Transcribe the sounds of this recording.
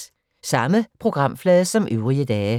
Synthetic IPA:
sɑ̈məpʰʁo̝ɡ̥ʁɑ̈m̰flɛːðˠəsɒ̽mʔøʊʁiəd̥ɛː

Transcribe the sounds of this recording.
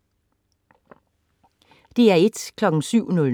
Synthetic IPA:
d̥e̝æɐe̝d̥kʰlɒ̽ɡ̥ŋ̩syʊ̰nɔl

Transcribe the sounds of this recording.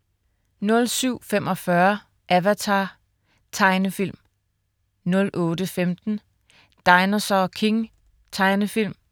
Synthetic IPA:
nɔ̽lsyʊ̰femɒ̽fɶɐ | ʔæʋæt͡sʰɑ̈ | t͡sʰɑ̈ɪnəfil̰m | nɔ̽lʔɔːd̥əfemd̥n̩ | d̥ɑ̈ɪnɐsɒkʰe̝ŋ | t͡sʰɑ̈ɪnəfil̰m

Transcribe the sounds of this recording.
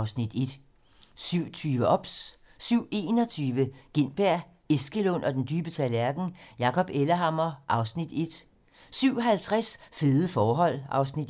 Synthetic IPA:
ʊsnid̥e̝d̥ | syʊ̰t͡sʰyːʋəʔɒ̽b̥s | syʊ̰e̝̰ːnɒ̽t͡sʰyːʋəɡ̥e̝n̰b̥æɐ̰ | e̝sɡ̥əlɔn̰ɒ̽d̥end̥yːb̥ət͡sʰælæɐɡ̥n̩jɑ̈kʰɒ̽b̥elɐɦɑ̈mɒʔɑ̈ʊsnid̥e̝d̥ | syʊ̰ɦælt͡sʰʁasfe̝ːðˠəfɒːɦɒ̽l̰ɑ̈ʊsnid̥

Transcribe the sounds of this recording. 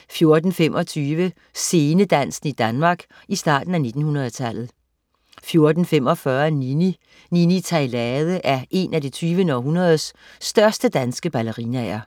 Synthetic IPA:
fjo̝ɐd̥n̩femʔɒ̽t͡sʰyːʋə | se̝ːnəd̥æn̰sn̩id̥ænmɑ̈ːɡ̥ | isd̥ɑ̈ːd̥n̩æne̝d̥n̩hunɐð̞̩ˠt͡sʰæl̰ð̩ˠ | fjo̝ɐd̥n̩fem̰ɒ̽fɶɐnini | ninit͡sʰɑɪlɛðˠəʔæɐʔe̝nædit͡sʰyːʋənɒɦunɐð̞̩ˠsː | d̥ɶɐsd̥əd̥ænsɡ̥əb̥æləʁinɛɪɐ

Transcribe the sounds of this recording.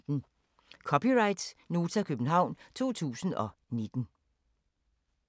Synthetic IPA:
n̩ | kʰɒ̽pʰiʁɑ̈ɪd̥sno̝ːt͡sʰækʰøb̥n̩ɦɑ̈ʊ̰nt͡sʰo̝̰ːt͡sʰṵːsn̩ɒ̽ne̝d̥n̩

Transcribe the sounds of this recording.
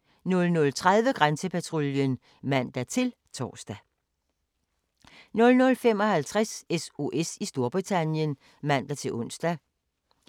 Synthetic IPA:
nɔ̽lnɔ̽lt͡sʰʁað̞ˠʋəɡ̥ʁansəpʰæt͡sʰʁoljən | mæn̰d̥æt͡sʰe̝l | t͡sʰɒ̰ːsd̥æ | nɔ̽lnɔ̽lfem̰ɒ̽hælt͡sʰʁaseso̝ʔesisd̥o̝ɐb̥ʁit͡sʰænjən | mæn̰d̥æt͡sʰe̝lʔɔ̽n̰sd̥æ

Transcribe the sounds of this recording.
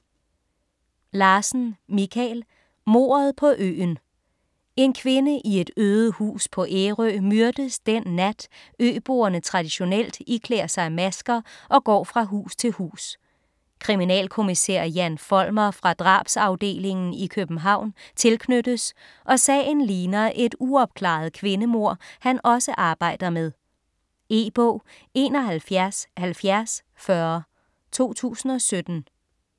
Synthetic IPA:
lɑːsn̩mikʰɛl | mo̝̰ːɐð̞̩ˠpʰɒ̽ʔø̰ːn | e̝nkʰʋe̝nəʔie̝d̥øːð̩ˠhṵːspʰɒ̽ʔeʁø̰ːmyɐd̥əsd̥enːæd̥øːb̥o̝ːɐnət͡sʰʁɑ̈d̥iɕo̝nel̰d̥ikʰleːɐsɑ̈ɪmæsɡ̥ɐʔɒ̽ɡ̥ɒ̰ːfʁɑ̈ɦṵːst͡sʰe̝lhṵːs | kʰʁiminɛ̰ːlkʰo̝misḛːɐ̰jænfɒ̽lmɐfʁɑ̈d̥ʁɑ̰̈ːb̥sɑ̈ʊd̥e̝̰ːle̝ŋn̩ikʰøb̥n̩ɦɑ̈ʊ̰nt͡sʰe̝lkʰnød̥əs | ʔɒ̽sɛ̰ːnliːnɐːʔe̝d̥uɒ̽b̥̚kʰlɑ̰̈ð̞̩ˠkʰʋe̝nəmo̝ɐ̰hænʔɒ̽səʔɑ̈ːb̥ɑ̈ɪ̰d̥ɐmeð̞ˠ | e̝ːb̥ɔ̰ː | e̝̰ːnɒ̽ɦælfjæɐshælfjæɐs | fɶɐ | t͡sʰo̝̰ːt͡sʰṵːsn̩ɒ̽sød̥n̩

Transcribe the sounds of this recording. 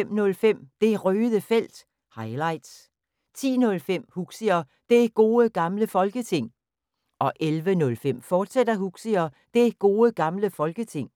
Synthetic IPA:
em̰nɔ̽lfem̰d̥e̝æʁøːðˠəfel̰d̥ | hɑ̈ɪlɑ̈ɪ̰d̥s | t͡sʰḭːnɔ̽lfem̰huɡ̥siɐ | d̥e̝æɡ̥o̝ːəɡ̥ɑ̈mləfɒ̽lɡ̥ət͡sʰe̝ŋ̰ | ʔɒ̽ʔelʋənɔ̽lfem̰fɒːd̥sed̥ɐhuɡ̥siɐd̥e̝æɡ̥o̝ːəɡ̥ɑ̈mləfɒ̽lɡ̥ət͡sʰe̝ŋ̰

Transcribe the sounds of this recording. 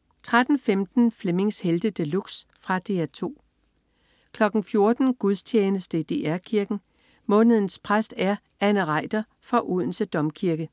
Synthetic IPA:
t͡sʰʁad̥n̩femd̥n̩fleme̝ŋsheld̥əd̥əluɡ̥s | fʁɑ̈d̥e̝̰ːæɐt͡sʰo̝̰ː | kʰlɒ̽ɡ̥n̩fjo̝ɐd̥n̩ɡ̥uðˠst͡ɕʰeːnəsd̥əid̥e̝ːʔæɐkʰiɐɡ̥n̩ | mɔ̽ːnəð̞̩ˠn̩spʰʁasd̥æɐ | ænəʁɑ̈ɪd̥ɐ | fʁɑʔuð̰ˠn̩səd̥ɒ̽mkʰiɐɡ̥ə

